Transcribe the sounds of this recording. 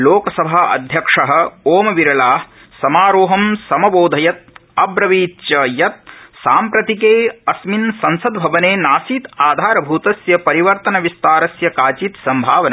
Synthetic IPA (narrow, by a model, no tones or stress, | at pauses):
loːkɐsɐbʱaːɐ̰d̪ʱjɐkʂɐɦɐ̆oːmɐʋiɾɐlaː | sɐmaːɾoːɦɐmsɐmɐboːd̪ʱɐjɐt̪̚ɐbɾɐʋiːt̪t͡ʃɐjɐt̪̚saːmpɾɐt̪ikeːɐsminsɐnsɐd̪bʱɐʋɐneːnaːsiːt̪aːd̪ʱaːɾɐbʱuːt̪ɐsjɐpɐɾiʋɐɾt̪ɐnɐʋist̪aːɾɐsjɐkaːt͡ʃiːt̪sɐmbʱaːʋɐnɐ